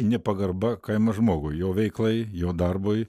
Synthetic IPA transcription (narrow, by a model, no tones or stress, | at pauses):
nʲɛpɐɡɐrbɐkɐɪmɐʒmoːɡʊjjoːʋʲɛɪklˠɐɪjoːd̪ɐrboːj